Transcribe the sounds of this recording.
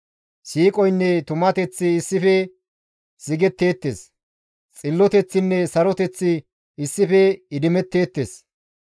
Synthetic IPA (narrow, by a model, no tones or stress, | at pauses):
siːkʼɔjnːɛt̪ʊmɐt̪ɛt͡sːɪːsːɪfɛ | sɪɡɛt̪ːe̞ːt̪ːḛs | t͡sʼɪlːɔt̪ɛt͡sːɪnːɛsɐɾɔt̪ɛt͡sːɪ | ɪsːɪfɛɪd̪ɪmɛt̪ːe̞ːt̪ːḛːs